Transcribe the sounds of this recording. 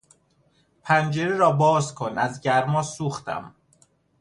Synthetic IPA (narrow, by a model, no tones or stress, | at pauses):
pʰænd͡ʒeɾeɾɒːbɒːzkʰonæzɟæɾmɒːsuːxt̪ʰæ̰m